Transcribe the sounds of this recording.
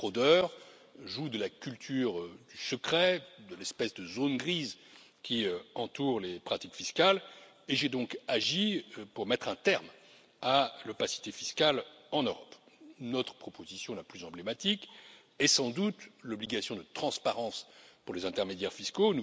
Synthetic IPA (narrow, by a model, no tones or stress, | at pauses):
χod̪œʁʒud̪əlakʲylt̪ʰyːʁd̪ysəkχɛd̪əlɛspɛsd̪əzonɡʁiz | kʲiøɑ̃t̪uʁlepχat̪ikfiskal | eʒed̪ɔ̃kaʒiøpuʁmɛt̪χɛ̃t̪ɛʁm | alɔpasi̥t̪efiskalɑ̃nøʁɔp | nɔt̪χə̥pχɔpozisjɔ̃laplyzɑ̃blemat̪ik | ɛsɑ̃d̪ut̪lɔbliɡasjɔ̃d̪ət̪χɑ̃spaʁɑ̃spuʁlezɛ̃t̪ɛʁmed̪jɛʁfiskonu